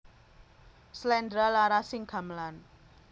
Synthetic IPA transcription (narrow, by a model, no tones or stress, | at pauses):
slɛndɾalaɾasɪŋɡ̥a̤mlan